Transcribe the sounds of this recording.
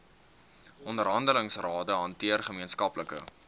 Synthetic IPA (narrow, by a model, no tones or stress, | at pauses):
ʔɔndəɾɦɐndələŋsrɑːdəɦɐntiərχəmiənskɐpləkə̰